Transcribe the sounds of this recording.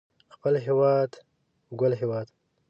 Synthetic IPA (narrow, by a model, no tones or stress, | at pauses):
xpəlɦewɑd̪ | ɡəlɦewɑd̪